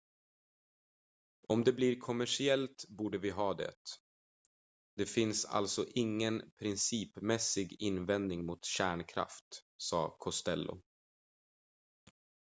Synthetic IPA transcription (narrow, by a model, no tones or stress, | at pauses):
ɔmd̪ɛbliɾkʰɔmæʂɪɛlt̪buːɖəvɪɦɑːd̪ɛ̰t̪ | d̪̥ɛfɪnsa̰ltsɔʔɪŋːənpʰɾɪnsiːpmɛsɪɡɪnvɛnd̪nɪŋmʊt̪ɕæːɳkʰɾa̰ft̪sɑ̰ːkʰɔst̪ɛ̰lːʊ̰